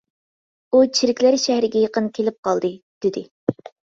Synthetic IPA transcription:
ut͡ʃʰiɾɪkʲlæɾʃæhɾɪɡʲɛjeqənkʲʰelɪp̚qɑlˠd̪ɨd̪̥ɪd̪ɪ

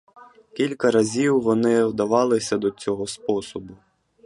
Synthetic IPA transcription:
kʲilʲkɐɾɐzʲiwːɔnɪwd̪ɐʋɑlˠɪsʲɐd̪ɔt͡sʲɔɦɔspɔsɔbʊ

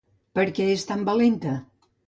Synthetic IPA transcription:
pəɾkɛest̪ambəlent̪ə

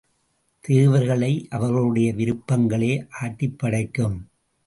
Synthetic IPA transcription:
t̪eːʋɐɾɣɐɭɐɪʔɐʋɐɾɣɐɭɯɽɐjɐʋɪɾɯpːɐŋɡɐɭeːʔaːʈːɪpːɐɽɐɪkːɯm

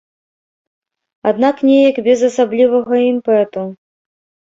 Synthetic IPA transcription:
ad̪naknʲɛjɐkbʲɛzɐsablʲivɐɣɐimpɛt̪u

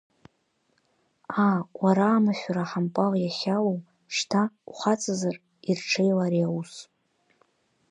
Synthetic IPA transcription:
awaɾaːmaʃʲʷᶣaɾaħampʼaljaχʲalow | ʂtʰauχat͡sʼazar | irʈ͡ʂʰejlaɾiawus

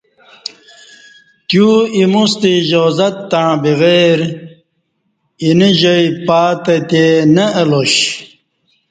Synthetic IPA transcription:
t̪juimust̪iʑozɐt̪ːaɻ̃biɣeːɾ | iniʑojpaːt̪ɐt̪enɐːloɕ

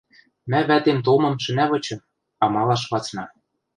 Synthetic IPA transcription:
mæβæt̪emt̪omɤ̆mʃɘ̆næβɤ̆t͡ɕɤ̆m | ɑmɑlˠɑʃβɑt͡snɑ

